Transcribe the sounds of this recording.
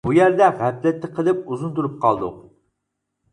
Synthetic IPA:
bujæɾd̪ɛʁæflɛt̪ːɪqʰəlˠɪp̚uzunt̪uɾup̚qʰɑ̰lˠd̪ṵ

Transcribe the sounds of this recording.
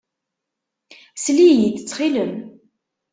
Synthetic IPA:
slijət͡sːət͡sːχiləm

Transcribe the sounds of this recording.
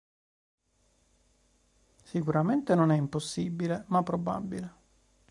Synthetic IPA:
sikuɾament̪enonɛimposːibilemapːɾoba̰bːile

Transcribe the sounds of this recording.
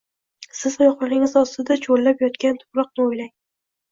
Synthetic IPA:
sɪzɒjɒqlaɾɪŋɪzɒst̪ɪd̪at͡ʃʰolːapjɒt̪kʲant̪ʰʊ̥pɾɒq̚nɪojlaŋ

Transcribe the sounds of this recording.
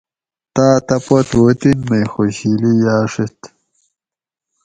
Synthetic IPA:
t̪aːt̪ɐpot̪wot̪inːɐjxoɕilijaːʂit̪

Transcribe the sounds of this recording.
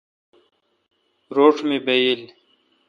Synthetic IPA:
ɾoːʂmebejil

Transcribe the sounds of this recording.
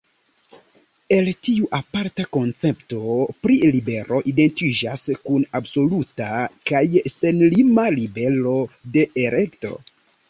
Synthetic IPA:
e̞ltiuʔapaɾtako̞nt͡se̞pto̞pɾilibe̞ɾo̞ʔide̞ntid͡ʒaskunabso̞lutakajse̞nlimalibe̞lo̞de̞ʔeɾʔe̞kto̞̰

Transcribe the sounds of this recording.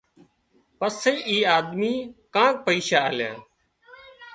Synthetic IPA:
pəsːeiːʔiːaːd̪miːkãːk̚pəiːʃaːəljã̰ː

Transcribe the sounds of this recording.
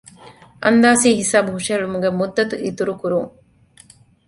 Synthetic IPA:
ʔɐnd̪aːsiːɦisaːbuɦuʂɐɐɭumuɡemud̪ːɐt̪uʔit̪uɾukuɾuŋ

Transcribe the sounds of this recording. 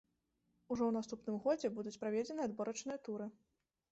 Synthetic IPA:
uʐɔwn̪ast̪upnɨmɣɔd͡zʲɛbud̪ut͡sʲpɾavʲɛd͡zʲɛnɨad̪bɔɾɐt͡ʂnɨjɐt̪uɾɨ

